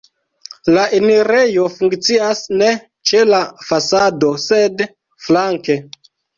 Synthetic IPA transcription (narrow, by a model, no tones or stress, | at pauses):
laʔeniɾe̞jo̞fuŋkt͡siasne̞ | t͡ʃe̞lafasado̞sed | flaŋke̞